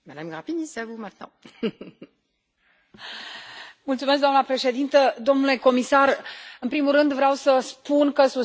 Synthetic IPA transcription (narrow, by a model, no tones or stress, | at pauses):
mad̪amɡʁapinisavumɛ̃t̪̚nɑ̰̃ | mult̪sumes̬kd̪oamnəpɾe̞ʃe̞d̪int̪əd̪o̞mnule̞ko̞misarɨnpɾimurɨnd̪vɾeawsəspunkəsu